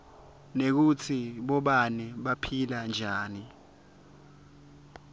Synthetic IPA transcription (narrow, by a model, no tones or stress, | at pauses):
nek̬ut͡sʰiɓɔɓanɛɓapʰiland͡ʒʱaːni